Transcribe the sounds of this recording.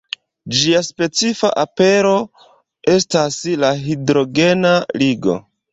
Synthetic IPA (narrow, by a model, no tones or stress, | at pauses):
d͡ʒiaspe̞t͡sifa̰ʔape̞ɾo̞ | e̞staslaɦidɾo̞ɡe̞naliɡo̞̰